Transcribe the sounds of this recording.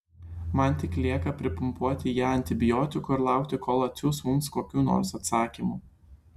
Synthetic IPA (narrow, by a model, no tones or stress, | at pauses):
mɐnˑt̪ʲɪklʲiɛkɐpʲɾʲɪpʊmpuɔt̪ʲɪjæːɐnʲt̪ʲɪbʲɪjɔːt̪ʲɪkʊɪɾlˠɑˑʊkt̪ʲɪkoːlˠɐt̪sʲuːsmʊmskoːkʲuːno̰ːɾsɐt̪sɑːkʲimu